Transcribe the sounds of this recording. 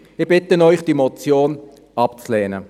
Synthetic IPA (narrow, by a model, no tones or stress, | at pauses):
ɪbɪtənɔʏχd̥imot͡sjoːn | ɑpt͡slɛːnə